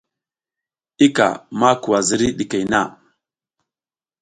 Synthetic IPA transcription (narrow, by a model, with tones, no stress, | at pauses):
i˦ka̰˨ma˦ku˨wa˨zi˦ɾi˦ɗi˨ke˨jna˦˨